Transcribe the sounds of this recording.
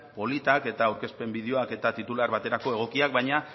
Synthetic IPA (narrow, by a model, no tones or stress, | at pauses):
po̞lit̪ake̞t̪awɾke̞spe̞mbið̞eo̞ake̞t̪at̪it̪ulaɾβat̪e̞ɾako̞e̞ɣ̞o̞kiak̚bajɲa